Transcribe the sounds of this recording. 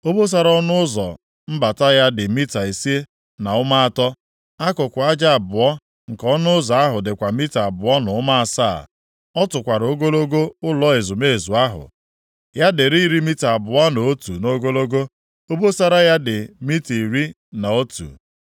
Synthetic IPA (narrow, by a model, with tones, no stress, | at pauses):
o˦bo˦s̬a˦ɾɔ˦nʊ˦ʊ˦zɔ̰˨ | m̩˦ba˨ta˦ja˦dɪ˨mi˦ta˨e˨si˦e˦ | na˨ʊ˦ma˦a˦tɔ˦ | a˦kʊ˨kʷʊ˨a˦d͡ʒa˦a˨bʊ˨ɔ˦ | ŋ̩˨kɔ˦nʊ˦ʊ˦zɔ˨a˦ɦʊ˨dɪ˨kʷa˨mi˦ta˨bʊ˨ɔ˦nʊ˨˦ma˦a˨sa̰˦˨ | ɔ˦tʊ˨kʷa˨ɾo˦ɡo˦lo˦ɡo˦ʊ˦lɔ˨˦ɪ˨zʊ˨me˦˨zu˨a˦ɦʊ̰˨ | ja˦dɪ˨ɾi˦ɾi˦mi˦ta˨bʊ˨a˦no˨o˦tu˨no˦ɡo˦lo˦ɡo˦ | o˦bo˦sa˦ɾa˦ja˦dɪ˨mi˦ti˨ɾi˦ | na˨o˦tṵ˨